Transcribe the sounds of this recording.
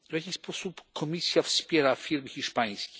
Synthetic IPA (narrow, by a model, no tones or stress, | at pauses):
vjakʲixspɔsupkʰɔmʲisʲjafspʲjɛɾafʲiɾmxʲiʂpaj̃skʲɛ̥